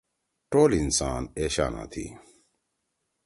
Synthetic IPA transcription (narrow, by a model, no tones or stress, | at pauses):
ʈoːlinsaːneːɕa̰ːna̰ːt̪ʰḭː